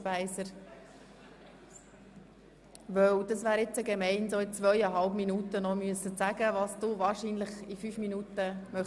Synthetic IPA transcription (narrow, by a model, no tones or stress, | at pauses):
pæɪsəɾ | ʋœwd̥ɑsʋæːɾɪt͡səɡemɛɪnsoɪt͡sʋœʏəɦɑlpminutənɔmyəsːət͡sæɡəʋɑːsd̥uʋɑːɾʃiːnləχifyːfminuːtəmœ